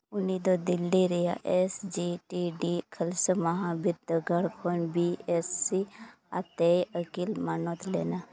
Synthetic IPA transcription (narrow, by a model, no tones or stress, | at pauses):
ʊnid̪od̪ilːiɾɛjaʔesd͡ʒiʈiɖikʰəlsəmaɦãbiɾd̪əɡaɽkʰonbiesːi | a̰t̪eəkilmanɔt̪ʰleːna